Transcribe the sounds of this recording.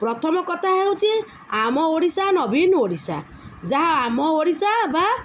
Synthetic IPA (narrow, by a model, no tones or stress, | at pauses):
pɾɔt̪ʰɔmɔkɔt̪ʰaɦewt͡ʃʰi | amɔoɽisanɔbʱinoɽisa̰ | d͡ʒaɦaamɔoɽisaba